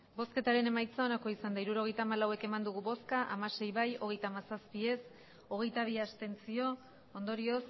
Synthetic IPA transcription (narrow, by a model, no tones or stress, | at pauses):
bo̞ske̞t̪aɾe̞ne̞majt͡sao̞nako̞isand̪aiɾuɾo̞ɣ̞e̞jt̪aːmalawe̞ke̞mand̪uɣ̞uβo̞skaʔamase̞jβajo̞ɣ̞e̞jt̪aːmasaspie̞s | o̞ɣ̞e̞jt̪aβ̞iast̪e̞nt͡sio̞ | ond̪o̞ɾio̞s